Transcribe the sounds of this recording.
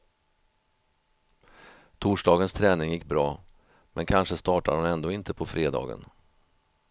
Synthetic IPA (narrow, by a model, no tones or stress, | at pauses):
t̪ʰuːʂɖɑːɡənst̪ʰɾɛːnɪŋjɪkːbɾɑː | mʔɛnkʰanʂəst̪ɑːʈad̪ʊnɛnd̪oːɪnt̪əpʰɔfɾeːd̪ɑ̰ːɡə̰n